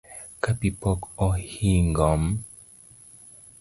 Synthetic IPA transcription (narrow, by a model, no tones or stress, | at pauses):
kapipɔkɔhiŋɡɔm